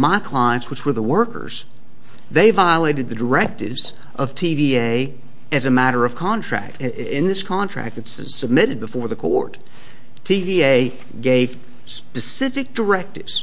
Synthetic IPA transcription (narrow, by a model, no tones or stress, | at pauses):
maɪkʰl̥aɪɨ̃ntswɨt͡ʃwə˞ðəwɜ˞kə̰˞z̥ | ðeɪvaɪəleɪɾɨd̪̚ðɨdə˞ɛk̚tɪvz | ʔʌv̥tʰivieɪ | ɨzɨmæɾə˞ʌv̥kʰɑ̃ntʰɹ̥æ̰k̚t | ɪ̃nðɪskʰɑ̃ntʰɹ̥æ̰k̚ðɨtssɨb̚mɪɾɨd̚bəfɔɹðɨkʰɔ̰ɹtʰ | ivieɪ | ɡeɪv̥ | spɨsɪfɨk̚d̥ə˞ɛk̚tɨvz̥